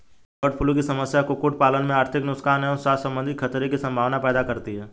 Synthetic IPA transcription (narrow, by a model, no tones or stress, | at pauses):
bəʈ̚pʰʊlõk̬isɐməsjakokʊʈ̚paːlənmẽaːɾt̪ʰɪknʊkskaːnɛɔsaːsɐ̃mbə̃nd̪ʱɪt̪kʰɐt̪ɾekisɐ̃mbʱaːʋnapɛːd̪akɐɾt̪iɦɛː